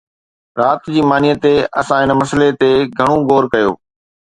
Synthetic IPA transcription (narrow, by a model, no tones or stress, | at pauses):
ɾaːt̪d͡ʑiːmaːnɪjət̪eɐ̰sãɦɪnmɐslet̪eɡʱɐɽ̃ũɡoːɾkɐjo̰ː